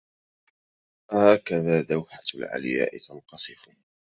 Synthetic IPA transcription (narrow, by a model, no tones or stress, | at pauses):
haːkaðaːd̪awħalʕa̰lja̰ːʔɪt̪ɑnqɑsˤɨfʊ